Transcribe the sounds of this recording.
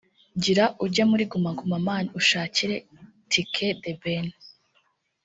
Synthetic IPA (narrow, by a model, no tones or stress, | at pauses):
ɟiɾaʔuɾɟamuɾiɡumaŋɡumamaːniuʃaːciɾe | tikʰedeben